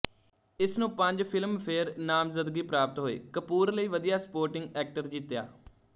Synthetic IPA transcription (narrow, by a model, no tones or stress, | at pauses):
ɪsnũːpəɲd͡ʒpʰɪlmpʰeːɾnaːmzəd̪ɡiːpɾaːp̚t̪ɦoːḛːkəpuːɾləiːʋəd̪ijaːspoːɾʈɪŋɡɛːk̚ʈəɾd͡ʒiːt̪ja̰ː